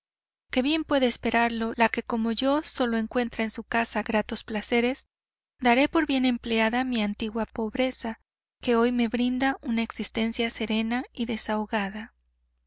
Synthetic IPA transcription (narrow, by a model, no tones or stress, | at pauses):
ke̞βje̞mpwe̞ðe̞ːspe̞ɾaɾlo̞lake̞ko̞mo̞ʝo̞so̞lo̞e̞ŋkwe̞nt̪ɾaensukasaɣɾat̪o̞splase̞ɾe̞z | d̪aɾe̞po̞ɾβje̞ne̞mple̞aðamiant̪iɣwapo̞βɾe̞sa | ke̞o̞jme̞βɾind̪aʔunaeksist̪e̞nsjase̞ɾe̞naiðe̞saoɣaða